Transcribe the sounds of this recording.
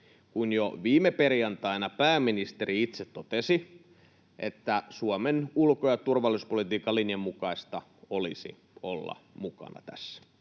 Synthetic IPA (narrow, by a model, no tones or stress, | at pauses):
kunjoʋiːmeperjɑnt̪ɑijnɑpæːmːinist̪eriit̪set̪tot̪esi | ʔet̪ːæsuomenulkojɑt̪urʋɑlːˑispolit̪iːkɑlːinjɑmːukɑist̪ɑ | olḭsḭ | olːɑ̰mukɑ̰nɑ̰t̪æ̰sːæ̥